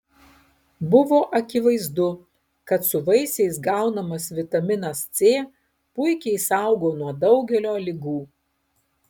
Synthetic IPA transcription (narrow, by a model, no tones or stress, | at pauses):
bʊʋoːʔɐkʲɪʋɐɪzd̪ʊ | kɐt̪sʊʋɐɪsʲɛɪs̬ɡɑˑʊnɐmɐsʋʲɪt̪ɐmʲɪnɐst̪sʲeː | pʊɪkʲɛɪsɑˑʊɡoːnuɔd̪ɐʊɡʲɛlʲoːlʲɪɡuː